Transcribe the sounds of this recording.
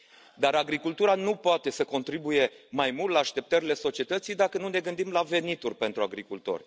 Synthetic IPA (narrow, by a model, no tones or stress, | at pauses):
d̪aɾaɡɾikult̪uɾanupoat̪e̞səko̞nt̪ɾibuje̞majmult̪laːʃt̪e̞p̚t̪əɾile̞so̞t͡ʃie̞t̪ət̪sijd̪akənune̞ɡɨnd̪imlave̞nit̪urʲpe̞nt̪ɾuaɡɾikult̪o̞̰rʲ